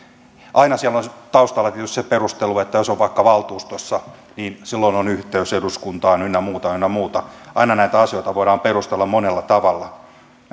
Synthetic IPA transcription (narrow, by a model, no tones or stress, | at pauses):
ʔɑinɑsiælːont̪ɑust̪ɑlːɑt̪iet̪yst̪seperust̪eluet̪ːæjosoʋʋɑikːɑʋɑlt̪uːst̪osʲːɑ | niːnsilːoinonyht̪eyseduskunt̪ɑːnynːæmuːt̪ɑynːæmuːt̪ɑʔɑinɑnæit̪æɑsijoˑit̪ɑʋoiɾɑːmperust̪elːɑmmonelːɑt̪ɑʋɑlːɑ